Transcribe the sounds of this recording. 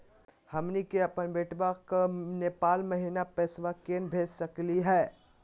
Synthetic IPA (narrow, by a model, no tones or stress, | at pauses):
hɐmnikeɐpənbeːʈbakneːpaːlmɐɦinapɛːsʋakeːnbʱeːd͡ʒsɐkliɦɛː